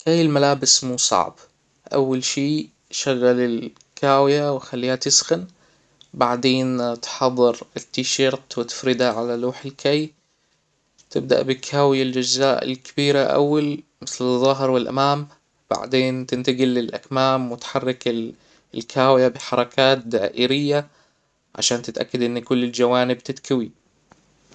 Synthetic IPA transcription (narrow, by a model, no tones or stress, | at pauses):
kajːɪlmalaːbɪsmuːsˤɑ̰ʕb | ʔa̰wːalʃiː | ʃaɣːalɪl | kʰaːwɪjawɪxalːiːhat̪ɪsxɪn | baʕd̪eːnt̪ħɑðˤːɨɾɪt̪ːiːʃɑɾt̪wɪt̪ɪ̥fɾɪd̪aʕalaluːħɪlkʰaj | t̪ɪb̚d̪a̰ʔbɪkʰaːwɪjald͡ʒad͡ʒzaːʔɪ̰lkʰɪ̥biːɾaʔa̰wːalmɪθlɨðˤːɑɦɪɾwɪlʔa̰maːm | b̥a̰ʕd̪eːnt̪ɪnt̪aɡɪlːɪlʔa̰kmaːmwɪt̪ħɑrˤːɪkɪ | lkʰaːwjabɪħɑɾˤɑkʰaːt̪̚d̪aːʔɪɾɪjːa | ʕa̰ʃaːnt̪ɪt̪ʔa̰kːad̪ʔɪnːkʊlːɪld͡ʒawaːnɪb̚t̪ɪt̪kawi